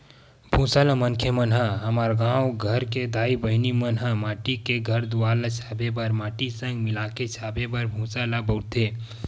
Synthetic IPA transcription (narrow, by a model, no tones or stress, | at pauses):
bʱũːsalamənkʰemɐnɦaɦɐmaːɾɡãːwɡʱɐɾked̪aːibəɦnimɐnɦãmaːʈikeɡʱɐɾd̪uwaːlat͡ʃʰaːbebɐɾmaːʈisə̃ŋɡmɪlaːket͡ʃʰaːbebɐɾbʱũːsalabɐʊt̪ʰe